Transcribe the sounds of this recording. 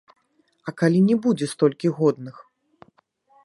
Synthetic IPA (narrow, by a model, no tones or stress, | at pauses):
ɐkalʲinʲɛbud͡zʲɛst̪ɔlʲkʲiɣɔd̪nɨx